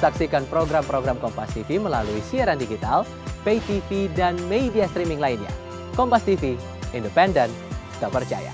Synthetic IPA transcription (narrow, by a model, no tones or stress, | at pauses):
saksikanpɾoɡɾampɾoɡɾamkɔmpast̪ifiməla̰luisiaɾandiɡit̪al | peit̪ifidanmeidiast̪ɾimɪŋlainɲa̰ | kɔmpast̪ifi | indəpɛndən | t̪apərt͡ʃa̰ja̰